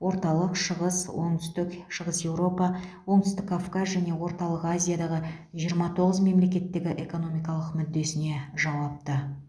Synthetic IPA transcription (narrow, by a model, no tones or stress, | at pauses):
wo̞ɾt̪ɑlˠəqʃəʁəswo̞ɴt̪ʏ̥st̪ɪkʃəʁəsje̞wɾo̞pɑwo̞ɴt̪ʏst̪ɪkːʰafkazʒæne̞wo̞ɾt̪ɑlˠəqazʲijad̪ɑʁəʒijəɾmɑt̪ʰo̞ʁəzme̞mle̞kʲe̞t̪ːɪɡʲɪʔe̞ko̞no̞mijkɑlˠəqmʏd̪ːe̞sɪne̞ʒɑwɑp̚t̪ə